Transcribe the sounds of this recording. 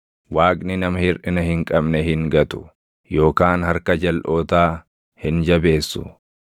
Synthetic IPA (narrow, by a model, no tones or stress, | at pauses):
waːkʼnɪnɐmɐhɪɾʔɪnɐhɪŋkʼɐbnɛɦɪŋɡɐt̪ʊ̥ | jo̞ːkaːnhɐɾkɐd͡ʒɐlʔo̞ːt̪aː | hɪnd͡ʒɐbe̞ːsːʊ̰